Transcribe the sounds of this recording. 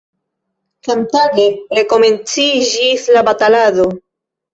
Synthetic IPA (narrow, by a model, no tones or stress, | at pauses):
samtaɡe̞ɾe̞ko̞me̞nt͡sid͡ʒislabatalado̞